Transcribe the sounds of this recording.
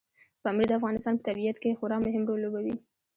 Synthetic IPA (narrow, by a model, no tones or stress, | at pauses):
bɑmɾid̪əafɣɑnɪst̪ɑnpə̥t̪abijat̪kexʊɾɑmʊɦɪmɾolːobawi